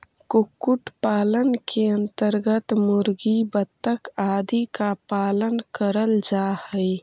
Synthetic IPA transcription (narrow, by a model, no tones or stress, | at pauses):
kukːuʈpaːlənkeənt̪əɾɡət̪mʊɾɡibət̪ːəkaːd̪ikapaːlənkəɾəld͡ʒahəj